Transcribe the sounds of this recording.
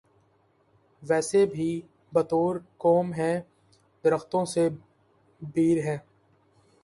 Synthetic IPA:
ʋɛːsebʱi | bɐt̪oːɾkɔːmɦɛ̃ː | d̪əɾəxt̪õse | biːɾɦɛ̃ː

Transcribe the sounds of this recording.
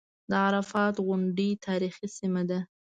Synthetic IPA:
d̪əʕaɾafɑt̪ɣʊɳɖit̪ʰɑɾixisimad̪a

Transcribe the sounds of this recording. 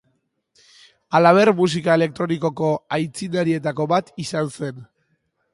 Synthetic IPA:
alaβ̞e̞ɾmus̬ikae̞le̞k̚t̪ɾo̞niko̞ko̞ajt͡sinaɾie̞t̪ako̞βat̪isanse̞n

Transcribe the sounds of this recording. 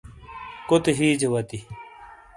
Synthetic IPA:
kot̪eɦiːd͡ʑewɐt̪i

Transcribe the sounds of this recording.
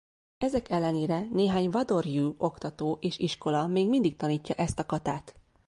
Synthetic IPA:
ɛzɛkɛlːɛneːɾɛneːɦaːɲvɒd̪o̞rjuːo̞kt̪ɒt̪oːʔeːʃiʃko̞lɒmeːɡmind̪ik̚t̪ɒniːcːɒʔɛst̪ɒkɒt̪aːt̪

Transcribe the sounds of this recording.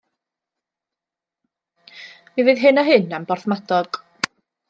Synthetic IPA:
mivɨːðɦɨnaɦɪnambɔrθmadɔɡ̥

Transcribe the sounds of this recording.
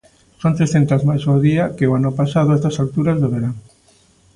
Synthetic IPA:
sont̪ɾesθent̪azmajsoðiɐkeoanʊpasaðʊɛst̪ɐsalt̪uɾazðoβeɾaŋ

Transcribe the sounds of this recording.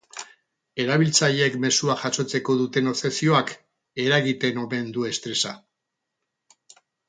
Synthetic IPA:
e̞ɾaβilt͡saʎeekme̞suaʝaso̞t͡se̞ko̞ðut̪e̞no̞sesio̞ak | e̞ɾaɣit̪e̞no̞me̞nd̪ue̞st̪ɾe̞sa

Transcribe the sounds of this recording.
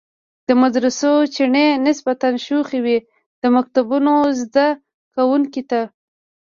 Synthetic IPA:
d̪̥əmad̪ɾɪsot͡ʃiɳenɪsbat̪anʃuxewi | d̪̥əmak̚t̪abunozd̪a | kawuŋkit̪a

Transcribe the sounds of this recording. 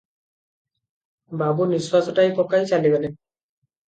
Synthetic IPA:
babuniswazɔtajpɔkajsalibelɛ

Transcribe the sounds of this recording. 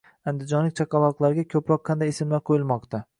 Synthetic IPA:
and̪ɪd͡ʒɒnlɪk̚ʲt͡ʃʰaqʰɑlɒqlˠaɾɡʲakʲʰɵpɾɒqʰːɑnd̪ajesɪmlaɾqʰojɪlˠmɒqt̪ʰa

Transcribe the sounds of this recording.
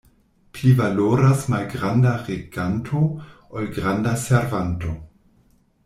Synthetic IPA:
plivaloɾasmalɡɾandaʁeɡ̥antʰo | olɡʁandaseɾvanto

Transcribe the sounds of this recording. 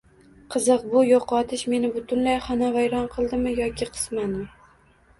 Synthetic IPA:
qʰɨzɨqbʊjoqɒt̪ʰɪʃme̞nɪbʊt̪ʰʊnlajχanavajɾɒnqʰɨlˠd̪ɪmɪjɒkʲɪqʰɨ̥smanmɪ

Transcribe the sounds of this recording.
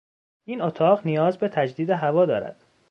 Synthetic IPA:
ʔiːnot̪ʰɒːʁnijɒːzbe̞t̪ʰæd͡ʒd̪iːd̪e̞ɦævɒːd̪ɒ̰ːɾæ̰d̪̥

